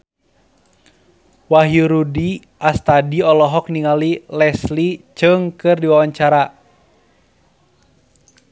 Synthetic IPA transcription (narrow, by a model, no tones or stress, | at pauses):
waɦjuɾudi | ast̪adiɔlɔɦɔk̚niŋalilɛslit͡ʃɨŋkɨrdiwawaɲt͡ʃaɾa